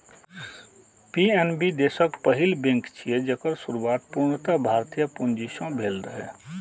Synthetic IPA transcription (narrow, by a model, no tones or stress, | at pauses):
piɛnbid̪eːsəkpəɦɪlbẽŋkt͡ʃʰied͡ʒəkəɾsuɾwaːt̪̚puɾɳt̪abʱaːɾt̪ijəpʊnd͡ʒiʃõbʱeːlɾəɦɛː